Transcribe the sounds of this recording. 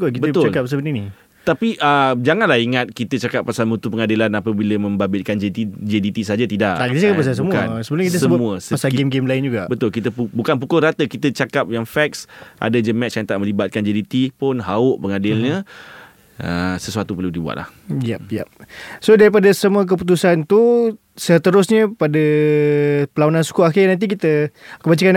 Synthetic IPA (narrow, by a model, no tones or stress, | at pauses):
kokitbət̪ʊalkap̚səbənini | t̪apiʔəd͡ʒaŋanlahiŋat̪̚kit̪ət͡ʃakap̚ːasalmut̪upəŋadilanapəbiləmə̃mbabɪt̪kand͡ʒeit̪id͡ʒedit̪is̬aɦad͡ʒat̪idaʔakit̪ət͡ʃakapas̬ajs̬əmuka̰nsəbəluɲakit̪əsəmũəsəasalɡemɡemlaɪnd͡ʒuɡabət̪ʊlkit̪əpubukanp̬ukʊlrat̪əkit̪ət͡ʃakap̚jaŋfɛk̚sʔa̰dad͡ʒəmɛst͡ʃant̪aʔ̚mə̃libat̪̚kand͡ʒedit̪ipʊnɦaʊʔpəŋadɪlɲə | əsəsuat̪upəludibua̰ʔ̪̚la̰hjɛp̚jɛp̚sodaɾip̬adasəmuək̬əput̪̬usant̪u | sət̪əɾʊsɲəpada | pəlaonansu̥kuakɪnant̪̬ikit̪əkəbat͡ʃakan